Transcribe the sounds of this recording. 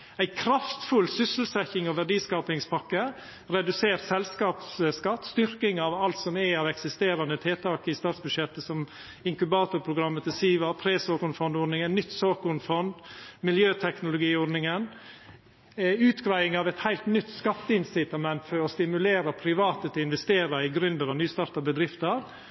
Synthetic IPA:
æɪkʰɾɑft̪fʉlsʏsəl̩sɛçɪŋɔʋæɖiːskɑːpɪŋspʰɑkːə | ɾɛd̪ʉseːɾsɛlskɑːpsskɑt̪ːst̪ʏɾkɪŋɑʋɑlt̪sɔmæɑʋɛksɪst̪eːɾɑnət̪ʰeːt̪ʰɑːkɪst̪ɑːt̪sbʉd̪ʂjɛt̪ːəsɔm | ɪŋkʉbɑːt̪ʊɾpʰɾʊɡɾɑmːət̪ʰɪlsiːʋɑpʰɾeːsoːkʊnfɔnd̪ɔɾnɪŋənnʏt̪ːsoːkʊnfɔnd̪mɪljøːt̪ʰɛknʊlʊɡiːɔɖnɪŋən | ʉːt̪ɡɾæɪɪŋɑʋɛt̪hæɪlt̪nʏt̪ːskɑt̪ːəɪnsɪt̪ɑmɛnt̪fɔɾɔst̪ɪmʉleːɾɑpʰɾɪʋɑːt̪ət̪ʰɪɪnʋɛst̪eːɾɑɪɡɾʉnd̪əɾɑʋnyːst̪ɑːɾt̪ɑbəd̪ɾɪft̪əɾ

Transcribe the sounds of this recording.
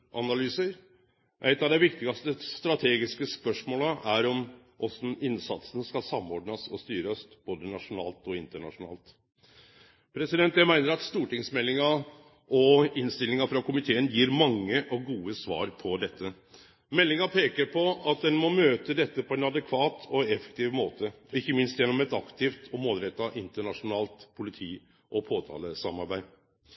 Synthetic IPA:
ʔɑnɑlyːsəɾ | ʔæ̰ɪt̪ɑʋd̪ɛɪʋɪkt̪ɪɡɑst̪əst̪ɾɑt̪ʰeːɡɪskəspœʂmoːləʔæɾɔm | ʔɔsm̩ɪnsɑt̪sənəskɑlsɑmːɔɖnɑsɔst̪yːɾɑsb̥oːd̪ənɑʂʊnɑ̰ːlt̪ɔɪnt̪əɳɑ̰ʂʊnɑ̰ːlt̪ | pʰɾɛsɪd̪ɛnt̪jæmæɪnəɾɑt̪st̪uːʈɪŋsmɛlːɪŋɑ | ɔɪnst̪ɪlːɪŋɑfɾɑkʊmɪt̪ʰeːənjiːɾmɑŋːəʔɔɡuːəsʋɑ̰ːɾpʰɔd̪ɛt̪ʰːə | mɛlːɪŋɑpʰeːkəɾpʰɔɑt̪̚d̪ɛnmɔmøːt̪əd̪ɛt̪ːəpʰɔɛnɑd̪ɛkʰʋɑːt̪ʰɔɛfɛ̥k̚t̪ʰiːʋmoːt̪ʰəɪçːəmɪnst̪jɛnːɔmɛt̪ɑkt̪ʰɪft̪ʰɔmoːlɾɛt̪ːɑʔɪnt̪əɳɑʂʊnɑːlt̪pʰʊlɪt̪ʰiː | ʔɔpʰoːt̪ʰɑ̰ːləsɑmɑɾbæɪ

